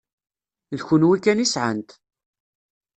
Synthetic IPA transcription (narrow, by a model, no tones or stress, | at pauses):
lçʊnwikːænisʕə̰nt̪